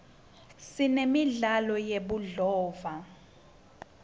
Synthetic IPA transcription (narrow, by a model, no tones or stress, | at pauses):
sinemiɮalɔjeɓuɮɔːva